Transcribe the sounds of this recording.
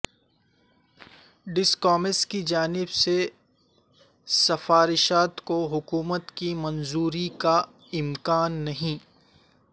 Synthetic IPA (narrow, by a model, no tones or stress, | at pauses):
ɖɪskɔːmɪskid͡ʒaːnɪbse | sɐfaːɾɪʃaːt̪koɦʊkuːmət̪kimɐnzuːɾika | ɪmkaːnːɐɦĩː